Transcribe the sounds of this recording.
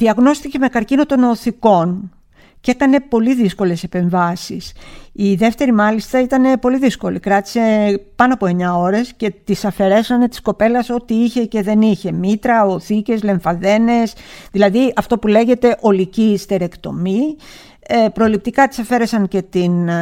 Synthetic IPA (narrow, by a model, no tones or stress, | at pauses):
ðiɐɣno̞st̪ice̞me̞kɐɾcinot̪o̞no̞θiko̞n | ce̞kɐne̞po̞liðisko̞le̞se̞pe̞ɱvɐsisiðe̞ft̪e̞ɾimɐlist̪ɐit̪ɐne̞po̞liðisko̞likɾɐt̪i̥se̞pɐnoɐpo̞e̞ɲɐo̞ɾe̞sce̞t̪isɐfe̞ɾe̞sɐnet̪i̥sko̞pe̞lɐso̞t̪iiçe̞ce̞ðe̞niçe̞mit̪ɾɐoθice̞zle̞ɱfɐðe̞ne̞sðilɐðiɐft̪o̞pule̞ʝe̞t̪e̞ʔo̞licist̪e̞ɾe̞kt̪o̞̰mi | epɾo̞lip̚t̪ikɐt̪i̥sɐfe̞ɾe̞sɐŋce̞t̪in